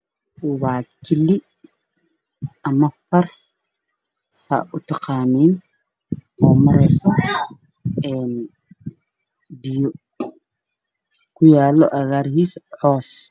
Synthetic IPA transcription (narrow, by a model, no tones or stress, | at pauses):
waːkʰɪlɪ | ɐmɐfɐr | sa̰ːʔʊt̪ʰɑqɑːniːn | ɔːmɐɾɛjsɔ | ɛːn | bɪjɔ | kʰʊjaːlɔʔɐɣaːɾhiːsħɔːs